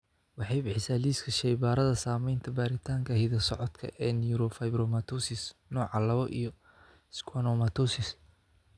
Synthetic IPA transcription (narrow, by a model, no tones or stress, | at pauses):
wɑħɑjbɪħɪsaːliːskʰɐʃɛjbaːɾɐðɐsaːmɛjnt̪ʰɐbaːɾɪt̪ʰaːŋkʰɐhɛðɐsɔʕɔd̪kʰɐ̰ʔɛːnjuɾɔfɐjbɾɔmat̪ʰɔsɪsnɔːʕɑlɐβɔʔḭjɔ | skʰwanɔmɐt̪ʰɔsɪs